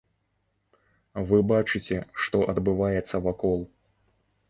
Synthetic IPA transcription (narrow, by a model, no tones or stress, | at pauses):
vɨbat͡ʂɨt͡sʲɛʂt̪ɔʔɐd̪bɨvajɛt̪sːɐvakɔlˠ